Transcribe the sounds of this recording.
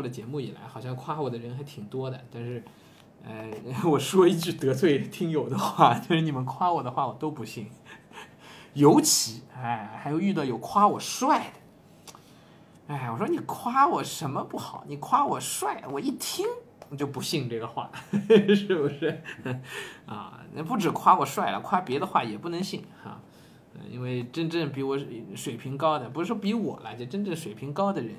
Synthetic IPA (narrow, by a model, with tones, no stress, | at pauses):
ɔ˥˩d̪ə˩t͡ɕjɛ˧˥mu˥˩i˨˩la̰˧˥ɪxɑ˨˩ʊɕjɑ˥˧ŋkʰwa˥wɔ˨˩d̪ə˦ɻə˧˥nxa˧˥ɪt̪ʰi˨˩ŋt̪wɔ˥d̪ə˨t̪a˥˧nʂɻ̩˥˩ | a˥˩ɪwɔ˨˩ʂwɔ˥i˥˧t͡ɕy˥˩t̪ɤ˧˥t͡sʰwe˥˩ɪt̪ʰi˥ŋjo˨˩ʊd̪ə˦xwa˥˩t̪a˥˧ʂɻ̩˥˩ni˨˩mə˦nkʰwa˥wɔ˨˩d̪ə˦xwa˥˩wɔ˨˩t̪o˥ʊpu˧˥ɕi˥˩ŋ | jo˧˥ʊt͡ɕʰi˧˥a˥˩ɪxa˧˥ɪjo˧ʊy˥˧ɑ˥˩ʊjo˨˩ʊkʰwa˥wɔ˨˩ʂwa˥˩ɪd̪ə˩ | a˥˩ɪwɔ˨˩ʂwɔ˥ni˨˩kʰwa˥wɔ˨˩ʂə˧˥nmə˧pu˥˩xɑ˨˩˦ʊni˨˩kʰwa˥wɔ˨˩ʂwa˥˩ɪwɔ˨˩i˥˩t̪ʰi˥ŋ | t͡ɕjo˥˩ʊpu˧˥ɕi˥˧ŋʈ͡ʂɤ˥˩ɡə˩xwa̰˥˩ʂɻ̩˥˩bu˧˩ʂɔ˥ | ɐ̰˥˧na̰˥˧pu˥˩ʈ͡ʂɻ̩˨˩kʰwa˥wɔ˨˩ʂwa˥˩ɪlə̰˨˩kʰwa˥pjɛ˧˥d̪ə˧xwa̰˥˩jɛ˨˩pu˥˩nə˧˥ŋɕi˥˩ŋɐ̰˥˧ | ḭ˥nwe˥˧ɪʈ͡ʂə˥ŋʈ͡ʂə˥˩ŋpi˧˥wɔ˧˥ʂwe˨˩ɪpʰi˧˥ŋkɑ˥ʊd̪ə˨pu˧˥ɻ̩˧˥ʂwɔ˥pi˧˥wɔ̰˨˩la˧˥ɪt͡ɕɛ˧˥ʈ͡ʂə˥˧nʈ͡ʂə˥˩ŋʂwe˨˩ɪpʰi˧˥ŋkɑ˥ʊd̪ə˨ɻə˧˥n